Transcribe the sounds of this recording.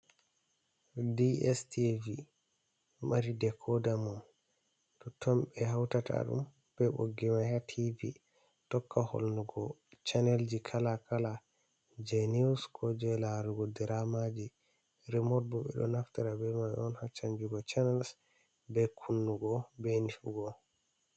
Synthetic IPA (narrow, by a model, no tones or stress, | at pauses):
diɛstivi | maɾidɛkʰɔdamun | tɔtʰɔmbɛɦawtata̰ɗṵm | b̥ɛbo̰ɡimahatʰivi | tɔkːaho̰lnuɡɔt͡ʃanɛld͡ʒikʰalakala | d͡ʒɛniuskʰɔd͡ʒɛlaɾuɡɔdɛɾamad͡ʒi | ɾɛmɔɾ̚buɓɛ̰ɗɔ̰naftaɾabɛmaɔnhat͡ʃaɲd͡ʒuɡɔt͡ʃanɛls | bɛkʰunːuɡɔbɛnifuɡɔ